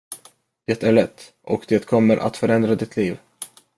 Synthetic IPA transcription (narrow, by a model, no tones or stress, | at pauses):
d̪̥ɛt̪æɭɛt̪ː | ʔɔkd̪ɛːt̪kʰɔmːəɾʔa̰t̪fœɾɛnd̪ɾad̪ɪt̪ʰliːv